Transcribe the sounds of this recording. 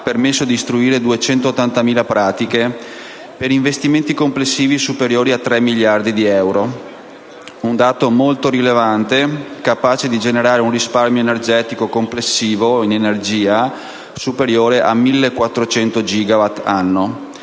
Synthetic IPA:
apermesːod̪ist̪ɾuiːɾed̪uet͡ʃɛnt̪ot̪ːant̪amiːlapɾaːt̪ike | peɾiɱvest̪iment̪ikomplesːiːvisupeɾjoːɾiat̪ːɾɛmːiljard̪id̪iɛwɾo | und̪aːt̪omolt̪oɾilevant̪ekapaːt͡ʃed̪id͡ʒeneɾaːɾeunrisparmjoenerd͡ʒɛːt̪ikokomplesːiːvoinenerd͡ʒiːa | supeɾjoːɾeʔa̰milːekːwat̪ːɾot͡ʃɛnt̪od͡ʒiːɡavat̪ːanːo

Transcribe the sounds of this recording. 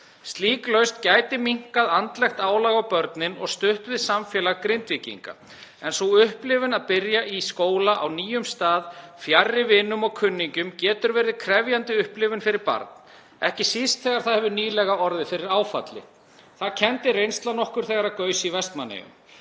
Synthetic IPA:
st̪liːklœɥst̪caːjt̪ɪmiŋ̥kaðant̪lɛxt̪aːwlaɣawpœɾt̪nɪnɔ̰ɣst̪ʏht̪vɪðsamfjɛːlaɣkɾɪnt̪vicḭŋka̰ | ɛnsoʏhplɪvʏnaðpɪɾjaʔiskoːwlaʔawniːjʏmst̪aːðfjarːɪvɪnːʏmɔɣkʰʏnːiɲcʏmcɛːt̪ʏɾvɛːɾðɪkʰɾɛvjant̪ɪʏhplɪvʏnfɪɾɪɾpa̰ɾt̪n̥ | ɛhcɪsist̪θɛːɣaɾ̥θaðhɛvðʏniːlɛɣaɔɾðɪfɪɾɪɾaːwfa̰t̪lɪ̰ | θaðcʰɛnt̪ɪrejnst̪lanɔhkʏɾ̥θɛɣaɾaðkœːɥsɪivɛst̪manḛjʏ̰m

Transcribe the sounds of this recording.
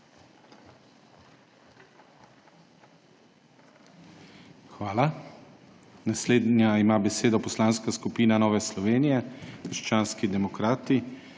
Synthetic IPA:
xʋaːla | nasleːd̪nʲjaimaːbɛseːd̪ɔpɔslaːnskaskupiːnanɔːʋɛslɔʋeːnijɛkəɾʃt͡ʃaːnskid̪ɛmɔkɾaːt̪i

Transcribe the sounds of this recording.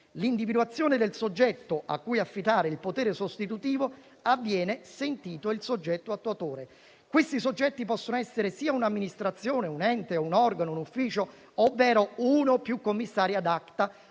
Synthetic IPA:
lind̪ivid̪wat̪sːjoːned̪elsod͡ʒːɛt̪ːoʔa̰kːujafːit̪aːɾeilpot̪eːɾesost̪it̪ut̪iːvo | avːjɛːnesent̪iːt̪oilsod͡ʒːɛt̪ːoat̪ːuat̪oːɾe | kwest̪isod͡ʒːɛt̪ːipɔsːonoɛsːeɾesiːaunamːinist̪ɾat̪sːjoːneunɛnt̪eounɔrɡanounufːiːt͡ʃo | ovːɛːɾounopːjukːomːisːaːɾjad̪akt̪a

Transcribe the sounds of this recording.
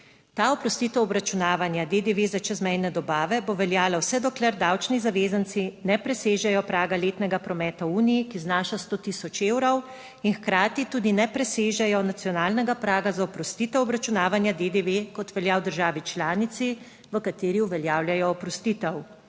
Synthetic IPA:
t̪aːɔpɾɔst̪iːt̪ɛwɔbɾat͡ʃunaːʋanjad̪ed̪eʋeːzat͡ʃɛzmɛjnɛd̪ɔbaːʋɛboʋɛljaːlawsɛd̪ɔklɛɾd̪aːwt͡ʃnizaʋeːzant̪sinɛpɾɛseːʒɛjɔpɾaːɡaleːt̪nɛɡapɾɔmɛːt̪auːnijikiznaːʃast̪oːt̪iːsɔt͡ʃeːwɾɔw | inxkɾaːt̪it̪uːd̪inɛpɾɛseːʒɛjɔnat̪siɔnaːlnɛɡapɾaːɡazaɔpɾɔst̪it̪ɛwɔbɾat͡ʃunaːʋanjad̪ed̪eʋekɔt̪ʋɛljawd̪əɾʒaːʋit͡ʃlaːnit̪si | ʋəkat̪eːɾiuʋɛljaːwljajɔːpɾɔst̪iːt̪ɛw

